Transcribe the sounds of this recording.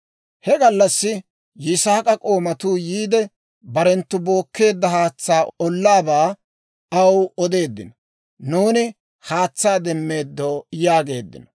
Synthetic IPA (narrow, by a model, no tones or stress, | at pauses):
hɛɡɐlːɐsːɪ | jɪsaːkʼɐkʼo̞ːmɐt̪uːjiːd̪ɛ | bɐɾɛnt̪ːʊbo̞ːkːe̞ːd̪ːɐhaːt͡sːaːɔlːaːbaː | ɐwɔd̪e̞ːd̪ːɪnɔ | nuːnɪ | haːt͡sːaːd̪ɛmːe̞ːd̪ːoːjaːɡe̞̰ːd̪ːɪ̰nɔ̥